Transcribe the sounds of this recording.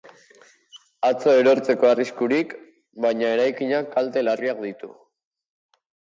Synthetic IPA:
at͡so̞e̞ɾo̞ɾt͡se̞ko̞ariskuɾik | bajɲae̞ɾajkiɲakalt̪e̞lariak̚d̪it̪u

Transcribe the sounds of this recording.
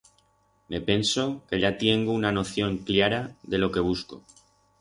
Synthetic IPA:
me̞pe̞nso̞ke̞ʎat̪je̞ŋɡounano̞θjo̞ŋklaɾaðe̞lo̞ke̞β̞usko̰

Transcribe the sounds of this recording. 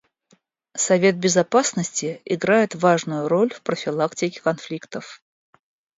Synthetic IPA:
sɐvʲe̞t̪̚bʲɪzɐpasnəsʲtʲɪɪɡɾajɪt̪vaʐnʊjʊɾo̞lʲfpɾəfʲɪlˠaktʲɪkʲɪ̥kɐnflʲikt̪əf

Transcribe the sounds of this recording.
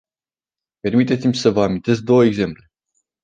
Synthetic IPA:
pe̞rmit̪et̪simʲsəvəamint̪e̞s̬k̚d̪o̞wəeɡze̞mple̞

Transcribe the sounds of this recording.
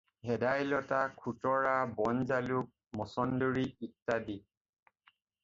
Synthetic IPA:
hɛdajlɔtakʰutɔɹabɔnzaluk̚mɔsɔndoɹiik̚ːadi

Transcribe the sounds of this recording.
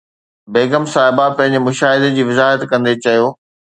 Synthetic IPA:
beːɡəmsaːɦɪbapɐ̃ɦɪ̃ɲd͡ʑɪmʊʃaːɦɪd̪ed͡ʑiːʋɪzaːɦət̪kɐ̃nd̪et͡ɕɐjoː

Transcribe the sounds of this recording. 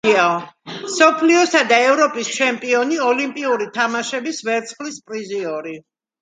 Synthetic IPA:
aɔsɔpʰliɔsad̪aɛvɾɔpʼist͡ʃʰɛmpʼiɔniɔlimpʼiuɾit̪ʰamaʃɛbisvɛɾt̪sʰχlispʼɾiziɔɾi

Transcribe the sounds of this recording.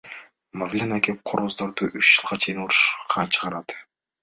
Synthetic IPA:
mavlʲenakep̚qʰoɾʁozd̪oɾd̪uʔyt͡ʃd͡ʒɯlˠʁɑt͡ʃʰe̞jinuɾuʃqʰɑt͡ʃʰɯʁɑɾɑd̪

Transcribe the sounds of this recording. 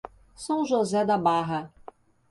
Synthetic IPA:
sɐ̃w̃ʒozɛd̪abaɦɐ

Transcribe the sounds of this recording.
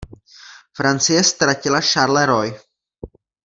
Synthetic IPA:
fɾant͡sɪjɛst̪ɾacɪlaʃaɾlɛɾoj

